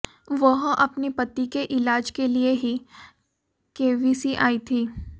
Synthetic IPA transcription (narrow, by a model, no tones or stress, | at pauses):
ʋɐɦʔɐpnepɐt̪ːikeʔɪlaːd͡ʒkelieɦi | keːʋisiʔaːit̪ʰiː